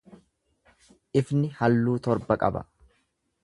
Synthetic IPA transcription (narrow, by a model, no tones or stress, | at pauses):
ʔɪfnɪhɐlːuːt̪ɔɾbɐkʼɐ̰bɐ̰